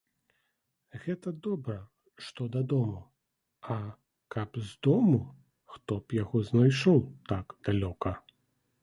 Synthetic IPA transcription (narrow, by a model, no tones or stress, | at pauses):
ɣɛt̪ɐd̪ɔbɾɐ | ʂt̪ɔd̪ɐd̪ɔmu | ɐ | kɐpzd̪ɔmu | xt̪ɔpjaɣɔznajʂɔwt̪akd̪̥alʲɔkɐ